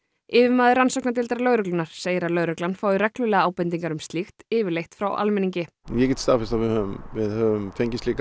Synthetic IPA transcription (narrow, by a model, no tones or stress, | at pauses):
ɪːvɪɾmaːðɪɾransɔknat̪̬ɪlt̪aɾalœːɣɾʏklʏnaɾ̥seːjɪɾalœːɣɾœklanfaːwðɪɾɛklʏlɛːɣaaːwpɛnt̪̬iŋkaɾʏmst̪lixt̪ɪːvɪɾlejht̪fɾawʔa̰lmɛniɲcɪ | jɛcɛt̪st̪aːfɪɾst̪avɪðhœvʏmvɪðhœːvʏmfejɲcɪst̪liːk